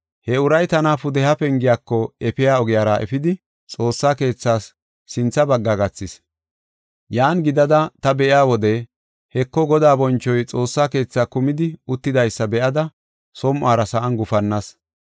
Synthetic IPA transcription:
hɛʊɾɐjt̪ɐnapʊd̪ɛhɐpɛŋɡɪjaːkːɔɛpɪjaːɔɡɪjaːɾɐʔɛ̰fɪd̪ɪ | t͡sʼo̞ːsːaːke̞ːt͡sːaːsː | ɪnt͡sːɐbɐɡːaɡɐt͡sːɪs | jaːnɡɪd̪ɐd̪ɐt̪ɐbɛʔɪaːwɔd̪ɛ | hɛkːɔɡɔd̪aːbɔnt͡ʃːɔjt͡sʼo̞ːsːaːke̞ːt͡sːaːkʊmɪd̪ɪʊt̪ːɪd̪ɐjsːɐbɛʔɐd̪ɐ | sɔmʔaːɾɐsɐʔːnɡʊfɐnːɐs

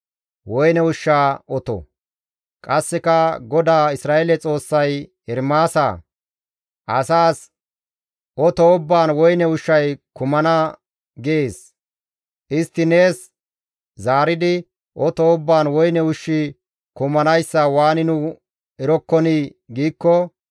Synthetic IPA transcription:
wɔjnɛʊʃːaːɔt̪ɔ̰ | kʼɐsːɛkɐɡɔd̪aːɪsɾaːelɛt͡sʼo̞ːsːɐj | ɛɾmaːsa̰ː | ʔɐsaːs | ʔɔt̪ɔʊbːaːnwɔjnɛʊʃːɐjkʊmɐnɐ | ɡɪeːs | ʔɪst̪ːɪne̞ːs | zaːɾɪd̪ɪ | ʔɔt̪ɔʊbːaːnwɔjnɛʊʃːɪ | kʊmɐnɐjsːɐwaːnɪnʊ | ɛɾɔkːɔni | ɡiːkːɔ

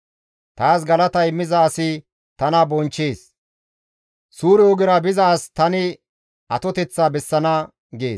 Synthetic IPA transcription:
t̪aːs̬ɡɐlɐt̪ɐjɪmːɪzaːsɪ | t̪ɐnɐbɔnt͡ʃːeːs | suːɾoːɡɪɾɐbɪzaːst̪ɐnɪ | ɐt̪ɔt̪ɛt͡sːabɛsːɐnɐ | ɡeːs

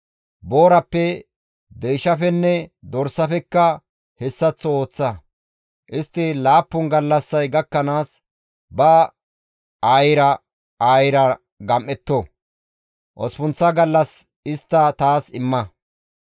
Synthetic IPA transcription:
boːɾɐpːɛ | d̪eːjʃɐfɛnːɛd̪ɔɾsɐfɛkːɐ | hɛsːɐt͡sːɔo̞ːt͡sːɐ | ʔɪst̪ːɪlaːpːʊnɡɐlːɐsːɐjɡɐkːɐnaːs | bɐ | aːjɪɾɐ | aːjɪɾɐ | ɡɐmʔːɛt̪ːɔ | ʔɔspʊnt͡sːɐɡɐlːɐs | ɪst̪ːɐt̪aːsɪmːɐ

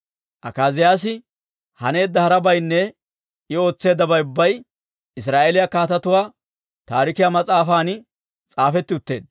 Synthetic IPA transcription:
ʔɐ̰kaːzɪjaːsɪ | hɐne̞ːd̪ːɐhɐɾɐbɐjnːɛ | ʔɪo̞ːt͡sːe̞ːd̪ːɐbɐjʊbːɐj | ɪs̬ɾaːʔeːlɪjakaːt̪ɐt̪ʊwaː | t̪aːɾɪkɪjamɐt͡sʼaːfaːn | t͡sʼaːfɛt̪ːɪʊt̪ːe̞̰ːd̪

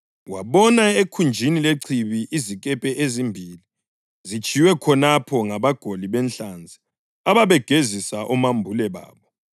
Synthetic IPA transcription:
waβɔnaekʰund͡ʒʱinileǀʰiβiʔizik̬ʼɛpʼɛʔezimbʱili | zit͡ʃʼijwɛkʰɔnapʰɔŋaβaɡ̥ʱoliβɛnɬand͡zʱi | aβaβɛɡ̥ʱezisaʔumambʱulɛβa̰ːβɔ

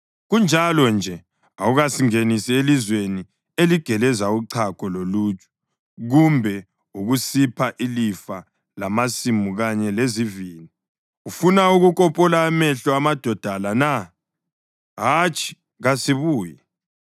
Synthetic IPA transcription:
ɣund͡ʒʱalɔnd͡ʒʱɛ | a̰uɣasiŋenisielizweni | eliɡ̥ʱɛlɛzauǀʰakʼɔloluːt͡ʃʰʼu̥ | ɣumbʱɛ | uɣusipʰaʔilifa | lamasimuɣaɲɛleziviːli | ufunauɣukʼɔpʰʼɔlaːmɛɬɔamad̥ʱɔd̥ʱalana | ɦat͡ʃʼʰi̥ | ɣasiβuːji

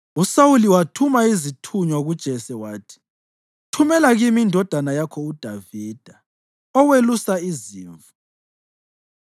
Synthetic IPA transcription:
usawuliwatʰumaizitʰuɲɔɣud̥ʒ̥ʱɛsɛwaːtʰi̥ | tʰumɛlaɣimiːndʱɔd̥ʱanajakʰɔud̥ʱaviːd̥ʱa | ɔwelusaiziːɱvu

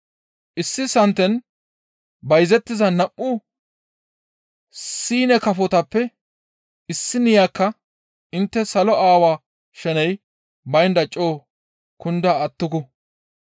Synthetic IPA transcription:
ʔɪsːɪsɐnt̪ɛn | bɐjzɛt̪ːɪzɐnɐʔːʊ | siːnɛkɐfɔt̪ɐpːɛ | ɪsːɪnɪjaːkːɐ | ɪnt̪ːɛsɐlɔaːwaː | ʃɛnɛj | bɐjnd̪ɐt͡ʃʼːo̞ː | kʊnd̪aɐt̪ːʊkʊ

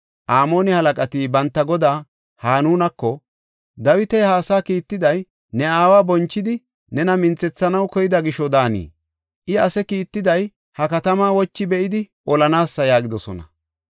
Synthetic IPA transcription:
ʔaːmo̞ːnɪhɐlɐkʼɐt̪ibɐnt̪ːɐɡɔd̪aː | haːnuːnɐkːɔ | d̪ɐwɪt̪ɛjhaːsaːkiːt̪ːɪd̪ɐj | nɛaːwaːbɔnt͡ʃːɪd̪ɪ | nɛnɐmɪnt͡sɛt͡sːɐnɐwkɔjɪd̪ɐɡɪʃːɔd̪aːnḭː | ʔɪɐsɛkiːt̪ːɪd̪ɐj | hɐkɐt̪ɐmaːwɔt͡ʃːɪbɛʔɪd̪ɪ | ʔɔlɐnaːsːɐjaːɡɪd̪ɔsɔ̰nɐ̰

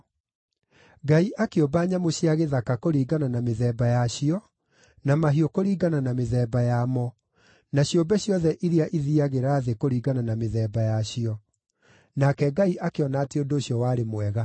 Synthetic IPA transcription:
ɡaiʔakeombaɲamoɕiaɣeðakakoɾiːɡananameðɛːbajaɕiɔ | namaɦiokoɾiːɡananameðɛːbajamɔ | naɕjombɛɕjɔðɛʔiɾiaʔiðiaɣeɾaːðekoɾiːɡananameðɛːbajaɕiɔ | nakɛɡaiʔakeɔnaːteondooɕjɔwaːɾemwɛɣa

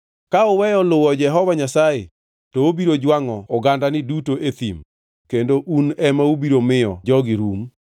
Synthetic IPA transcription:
kaɔwɛjɔlʊwɔd͡ʒɛɦɔvaɲasajḛ | toobiɾod͡ʒwaŋɔːɡandanɪdutoʔet̪ḭm | kendoʔunɛmaubiɾomɪɔd͡ʒɔɡɪɾum

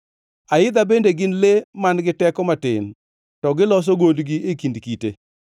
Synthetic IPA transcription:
aɪd̪abendeɡɪnlemanɡɪtɛkɔmatɪ̰n | tɔɡɪlɔs̬ɔɡondɡiekindkitḛ

